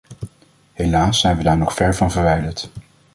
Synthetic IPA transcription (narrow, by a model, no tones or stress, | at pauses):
ɦelaːsɛjnʋədaːɹnɔχfɛɹvɑnvəɹʋɛjdəɹt